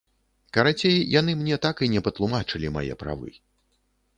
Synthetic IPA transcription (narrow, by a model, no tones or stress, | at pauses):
kɐɾat͡sʲejjan̪ɨmnʲɛt̪akinʲɛpɐt̪lˠumat͡ʂɨlʲima̰jɛ̰pɾa̰vɨ̰